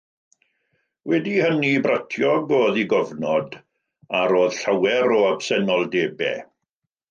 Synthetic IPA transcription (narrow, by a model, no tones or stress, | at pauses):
wɛdihənibratʰjɔɡoːðiɡɔvnɔd | aɾoːð̥ɬawɛɾɔabsɛnɔlˠdeːbɛ̰